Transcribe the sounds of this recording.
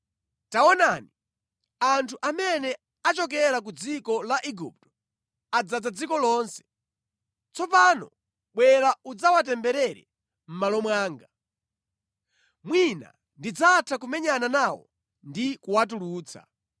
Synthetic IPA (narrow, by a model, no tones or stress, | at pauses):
taɔnani | antʰuʔamɛnɛ | at͡ʃɔk̬ɛɾak̬ud͡zikɔlaʔiɡṵp̚tɔ̥ | ad͡zad͡zad͡zikɔlɔːnsɛ̥ | t͡sɔpanɔ̰ | ɓwɛɾaud͡zawatɛmbɛɾɛɾɛ̰ | m̩malɔmwaːŋɡa | mwina̰ | ndid͡zatʰakumɛɲananawɔ̰ | ndikuwat̬uluːt͡sʰa̰